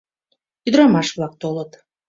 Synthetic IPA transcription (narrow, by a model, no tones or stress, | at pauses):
yd̪ɾɑmɑʃβlɑk̚t̪olət̪